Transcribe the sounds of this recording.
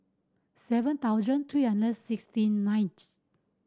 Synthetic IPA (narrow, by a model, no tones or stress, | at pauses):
sɛvə̃nt̪awzə̃ntʰɹiːhãndəd̚sɪkstĩnːãjnts